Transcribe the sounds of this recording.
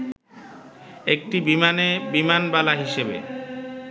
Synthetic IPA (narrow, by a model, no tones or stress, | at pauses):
ek̚ʈibimanebimanbalaɦiʃebḛ